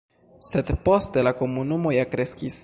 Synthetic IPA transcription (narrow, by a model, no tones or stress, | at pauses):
se̞dpo̞ste̞lako̞munumo̞jakɾe̞skis